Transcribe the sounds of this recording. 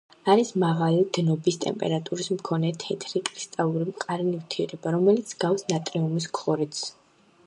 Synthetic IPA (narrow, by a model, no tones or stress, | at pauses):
aɾismaʁalid̪̥nɔbist̪ʼɛ̰mpʼɛ̰ɾat̪ʼuɾismkʰɔnɛt̪ʰɛt̪ʰɾikʼɾist̪ʼalˠuɾimqʼaɾinivt̪ʰiɛɾɛbaɾɔmɛlit̪sʰɡ̥afsnat̪ʼɾiumis̬kʰχɔɾit̪s